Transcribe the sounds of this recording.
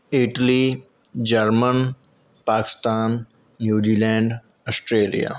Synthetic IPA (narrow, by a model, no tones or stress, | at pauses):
ɪʈli | d͡ʒəɾmən | paːkɪ̥st̪aːnː | juːd͡ʒiːlɛ̃ːɳɖɐsʈɾeːlḭja̰ː